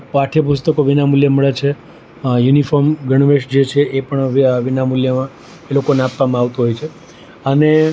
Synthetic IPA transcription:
paʈʰjəpust̪əkoʋinamuljəməɭet͡ʃʰe | junifɔɾmɡəɽ̃ʋeʃd͡ʒet͡ʃʰeʔepəɳʋʋinamuljəmã | elokoneapːʋamãaʋt̪uɦojt͡ʃʰe | əne

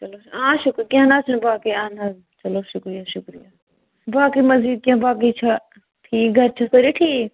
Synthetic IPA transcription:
t͡ʃɐloːãːʃʊkɾkjãːnaːt͡ʃʰənbaːkiːãːna | t͡ʃɐloːʃʊkɾijaːʃʊkɾijaː | baːkiːmɐziːd̪̚kãːbaːk̬iːt͡ʃʰa | ʈʰiːk̚ɡʱɐɾt͡ʃʰɐkəɾiːʈʰiː

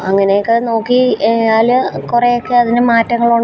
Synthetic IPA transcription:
ɐŋːɐnejokːeno̞ːkːijaːlkurejokːeɐðinɨmaːtːɐŋːɐɭuɳ

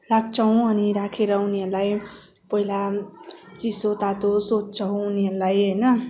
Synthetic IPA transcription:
raɡ̚t͡sʰʌũʌniɾakʰeɾʌuneɾlaj | pʌɦila | t͡sisot̪at̪osott͡sʰʌɦũːneɾlajɦʌjnʌ

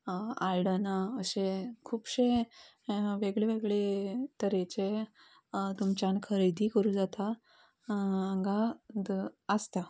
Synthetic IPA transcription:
alɖənaəɕẽkʰuːpɕẽ | ʋeɡɭeʋeɡɭet̪əɾet͡ɕe | t̪umt͡ɕankʰəɾed̪ʱikəɾũːd͡zat̪a | aŋɡad̪əst̪a

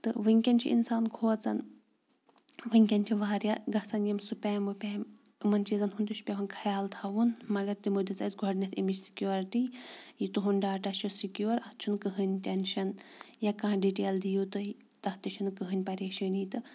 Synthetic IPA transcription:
t̪ɨʋɨŋʲkʲɐnʲt͡ʃʰḭʔḭnsaːnkʰoːt͡sɐ̰n | ʋɨŋʲkʲɐnʲt͡ʃʰiʋaːɾjaɡɐsɐnjɐmsupʲɛːmɨpʲeːm | ɨmɐnʲt͡ʃizɐnɦunt̪uʃʰpʲɐʋɐnkʰɐjaːlt̪ʰɐʋunmɐɡɐɾt̪imud̪it͡sɐsɡʱɔɖnʲɐt̪ʰimit͡ʃsi̥kʲjuːɾʈijit̪uɦunɖaːʈɐʃʰusikjuːɾɐht̪t͡ʃʰunkɨɦɨnʲtʲɐnʃɐnjɐkãːɖiʈeːld̪ijot̪ɨi | t̪ɐht̪iʃʰunɨkɨɦɨnʲpɐɾʲeːʃənit̪ɨ

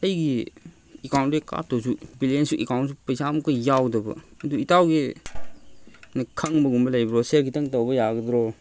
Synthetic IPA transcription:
ɐjɡi | ekawntɾika̰p̚tɔsubilensuʔekawntsupɐjsamukɐjawdɐbɐ̰ɐduitawɡi | nɐkʰɐŋbɐɡumbɐlajbɾɔseɾɡitɐŋtawbɐjaɡɐdɾɔ

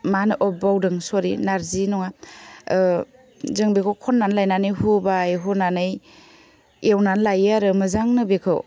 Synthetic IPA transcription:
manɯʔɔbawdɯŋsɔɾḭnaɾzinɔŋa | zɯŋbekʰɯwkʰɔnːanlajnanɯjɦubajɦunːanɯj | ewnanlajaɾɯmɯzaŋnɯbekʰɯw

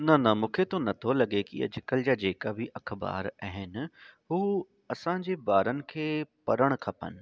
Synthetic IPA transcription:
nɐnɐmũːkʰet̪onɐt̪ʰolɐɠekiɐ̰d͡ʑɪkəld͡ʑaːd͡ʑeːkabʱɪʔɐkʰba̰ːɾaɦɪnɪ̆ɦuː | ɐsãːd͡ʑeːbaːɾənɪ̆kʰeːpɐɾəɽ̃kʰɐpə̰nɪ̆

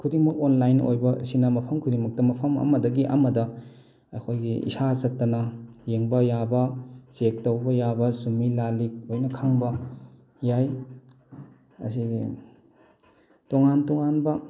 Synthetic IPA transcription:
kʰudiŋmɐk̚onlajno̰jbɐɐ̰sinɐmɐpʰɐmkʰudiŋmɐk̚tɐmɐpʰɐmɐ̰mɐdɐɡiʔɐ̰mɐdɐ | ɐ̰kʰojɡiḭsasɐtːɐnɐjeŋbɐjabɐsek̚tɐwbɐjabɐsumilalik̚ojnɐkʰaŋbɐ | jaj | ɐ̰siɡi | toŋantoŋanbɐ

